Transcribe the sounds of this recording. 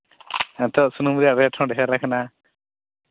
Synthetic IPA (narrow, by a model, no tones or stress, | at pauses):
ɛ̃nt̪ɔʔsunumɾijaʔɾɛʈʰɔ̃ɖɛɦɛɾakʰana